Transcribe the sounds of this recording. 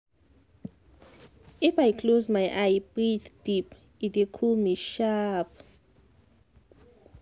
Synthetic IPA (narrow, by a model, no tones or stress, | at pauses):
ifajkʰlozmajʔajbɹitd̥ip | itikʰɔlmiʃap